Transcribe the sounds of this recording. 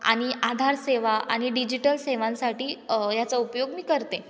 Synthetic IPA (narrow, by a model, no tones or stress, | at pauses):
a̰ɽ̃iʔad̪ʱaɾseʋaʔa̰ɽ̃iɖid͡ʑiʈəlseʋãnsaʈiːjat͡saupjoɡmiːkəɾt̪e